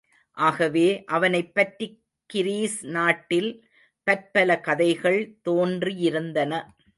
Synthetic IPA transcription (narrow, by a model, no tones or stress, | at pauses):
ʔaːɣɐʋeːʔɐʋɐnɐɪpːɐʈri | kːɪɾiːsnaːʈːɪl | pɐɾpɐlɐkɐðɐɪɣɐɭt̪oːndrijɪɾɯnd̪ɐnɐ